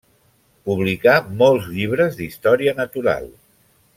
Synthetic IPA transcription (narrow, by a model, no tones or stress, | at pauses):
puβlikamɔlˠzʎiβ̞ɾəzðist̪ɔɾiənət̪uɾa̰lˠ